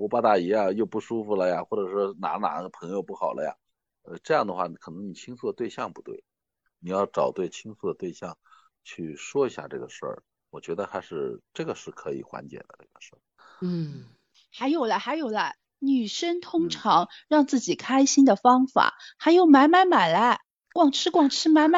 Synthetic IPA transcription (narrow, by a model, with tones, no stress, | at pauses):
u˧˥pa˥˧t̪a˥˩i˧˥ja˥˧jo˥˧ʊpu˥˩ʂu˥fu˧˩lə˩ja˨˩xwɔ˥˩ʈ͡ʂɤ˨˩ʂwɔ˥na̰˧˥na̰˧˥˧pʰɤ˧˥ŋjo˧ʊpu˥˩xɑ˨˩ʊlə̰˦ja̰˧˩ | ə˧ʈ͡ʂɤ˥˧jɑ˥˩ŋd̪ə˩xwa˥˩kʰɤ˨˩nɤ˧˥ŋni˨˩t͡ɕʰi˥ŋsu˥˩d̪ə˩t̪we˥˧ɪɕjɑ˥˩ŋpu˧˥t̪we˥˩ɪ | ni˨˩jɑ˥˩ʊʈ͡ʂɑ˨˩ʊt̪we˥˩ɪt͡ɕʰi˥ŋsu˥˩d̪ə˩t̪we˥˧ɪɕjɑ˥˩ŋ | t͡ɕʰy˥˩ʂwɔ˥i˧˥ɕja̰˥˧˩ʈ͡ʂɤ̰˥˩ɡə˩ʂə̰˞˥˩ | wɔ˨˩t͡ɕɥɛ˧˥d̪ə˧t̪ʰa˥ʂɻ̩˥˧ʈ͡ʂɤ˥˩ɡə˩ʂɻ̩˥˩kʰɤ˧˥ḭ˨˩xwa̰˧˥nt͡ɕjɛ̰˨˩d̪ə̰˦ʈ͡ʂɤ̰˥˩ɡə˩ʂə˥˩ | n̩˥˩ | xa˧˥ɪjo˨˩ʊlə˦xa˧˥ɪjo˨˩ʊlɐ˦˥ | ny˨˩ʂə˥ŋt̪ʰʊ˥ŋʈ͡ʂʰɑ˧˥ŋɻɑ˥˧ŋt͡sɹ̩˥˩t͡ɕi˨˩kʰa˥ɪɕi˥nd̪ə˨fɑ˥ŋfa̰˨˩˦xa˧˥ɪjo˧˩ʊma˧˥nma˧˥nma˨˩la˧˥ | kwɑ˨˩ŋʈ͡ʂʰɻ̩˥kwɑ˨˩ŋʈ͡ʂʰɻ̩˥ma˧˥ɪma˧˥